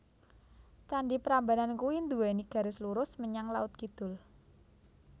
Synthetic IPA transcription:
t͡ʃanɖipəɾambanankuwind̪uwɛniɡ̥a̤ɾɪsluɾʊsməɲaŋlaʊt̪̚kid̪̥ʊ̤l

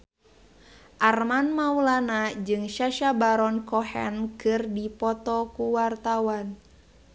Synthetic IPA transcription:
ʔarmanmaulanad͡ʒɨŋʃaʃabaɾɔnkɔhɛ̰nkɨrdipɔt̪ɔkuwart̪awan

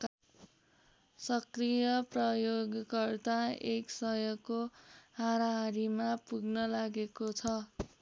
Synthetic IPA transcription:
sʌkrijʌprʌjoɡkʌrt̪aeksʌjʌɡːoɦaɾaɦʌɾimapuɡnʌlaɡekot͡sʰʌ

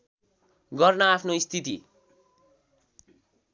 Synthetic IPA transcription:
ɡʌrnʌapʰnoist̪ʰit̪i

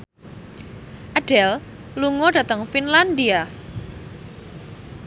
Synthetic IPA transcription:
ʔaɖ̥ɛl | luŋɔɖ̥a̤t̪əŋfinland̪ia

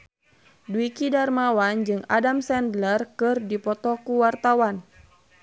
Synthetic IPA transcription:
duikidarmawand͡ʒɨŋa̰damsɛndlərkɨrdipɔt̪ɔkuwart̪awan

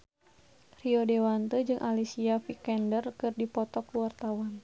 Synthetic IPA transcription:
riodewant̪əd͡ʒɨŋʔalisiafikɛndərkɨrdipɔt̪ɔkuwart̪awan

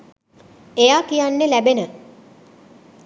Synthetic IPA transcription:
ejaːkijanːelæbenə

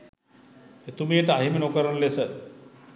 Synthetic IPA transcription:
et̪umijəʈəaɦimenokəɾənlesə

